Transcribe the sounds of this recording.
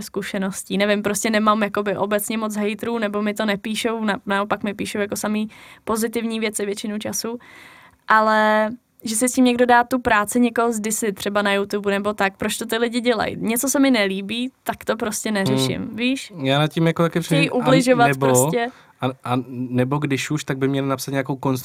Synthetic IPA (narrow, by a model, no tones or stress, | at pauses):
skuʃɛno̞sciːnɛvɪmpɾoscɛnɛmamjako̞bɪʔobɛt͡sɲɛmot͡sɦɛjt̪ɾuːnɛbo̞mɪt̪onɛpiːʃownanaopakmɪpiːʃowjakosamiːpo̞zɪt̪ɪvɲiːvjɛt͡sɪvjɛt͡ʃɪnowt͡ʃasu | ʔalɛ | ʒɛsɪscʲiːmɲɛɡdo̞daːt̪upɾaːt͡sɪɲɛkoɦozdɪsɪt̪r̥ɛbanajut̪ubunɛbo̞t̪ak̚pɾot͡ʃt̪o̞t̪ɪlɪɟɪɟɛla̰jɲɛt͡sosɛmɪnɛliːbiːt̪akt̪opɾo̞scɛnɛɾɛʃɪ̰mviːʃjaːnat̪̚cimjakot̪akɛpɾɛɛʔublɪʒovatɛbɾɾoscɛ | aʔanɛboɡdɪʃuʃt̪aɡ̚bɪmɲɛlɪnapsat̪ɲakowkonst̪